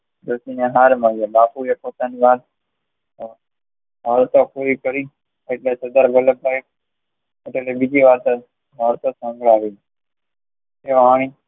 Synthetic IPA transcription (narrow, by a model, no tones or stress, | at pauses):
d̪osineɦaɾməɭebapuepot̪aniʋat̪ | bʱaɾt̪okʰuɾikəɾi | eʈlesəd̪aɾbələk̚ːajk | eʈelebid͡ʒiʋat̪ | bʱaɾt̪osə̃ŋɡʱɭaʋi | eʋaɽ̃i